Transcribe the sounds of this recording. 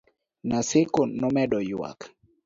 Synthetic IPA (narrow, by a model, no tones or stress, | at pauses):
nasɪkonɔmɛɗɔjwa̰k